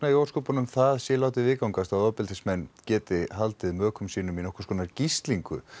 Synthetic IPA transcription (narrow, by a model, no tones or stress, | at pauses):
naijow̥skoːpanʏmθaðsjɛlaːwt̪ɪvɪðkawŋkast̪aðɔːpɪlt̪ʰɪsmɛnːcɛːt̪ɪɦalt̪ɪðmœːkʏmsiːnʏminɔhkʏ̥skʰɔːnaɾcist̪liŋkʏ̰